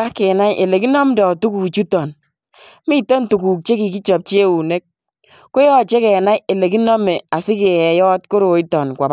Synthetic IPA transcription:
a˦kɛ˨na˦jʔe˨le˨ki˦nɔ˦mdɔ˨tu˦ku˨t͡ʃu˦tɔ˨n | mi˦to˦n˦tu˨ku˨k̚t͡ʃe˦ki˨ki˦t͡ʃɔ˨p̚t͡ʃe˦u˨ne˦k̚ | ko˦jɔ˦t͡ʃe˦kɛ˨na˦je˨le˨k̬i˦nɔ˦me˨a˨sɪ˦ke˨jɛ˨jɔ˦t̚ko˦ɾo˨i˦tɔ˨nkʷa˨b

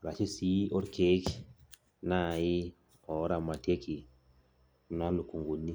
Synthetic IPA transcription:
ɾa˨t͡ʃi˦si˦ʔɔ˦ɾke˦k | na˦˨ji˦ | ɔ˨˦ɾa˨ma˨te˦ki˨ | na˦lu˨ku˨ŋɡu˨nːi˦

